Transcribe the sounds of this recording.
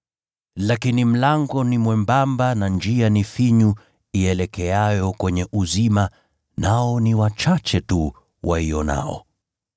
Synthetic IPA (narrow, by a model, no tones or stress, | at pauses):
lakinim̩laŋɡɔnimwɛmbambanand͡ʒianifiɲu | iɛlɛkɛajɔkwɛɲɛʔuzima | naɔniwat͡ʃat͡ʃɛtu | waiɔna̰ɔ̰